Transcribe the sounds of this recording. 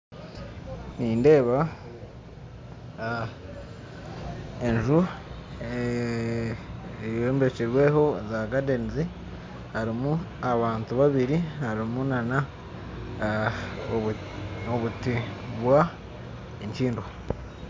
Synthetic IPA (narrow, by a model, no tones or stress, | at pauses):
niːnde̞ːβa | eɲʒu | e | joːmbe̞ciɾwe̞ɦo̞zaɡadenzi | haɾimu | aβaːntuβaβiɾihaɾimunana | oβutiβwa | eɲt͡ʃiːndo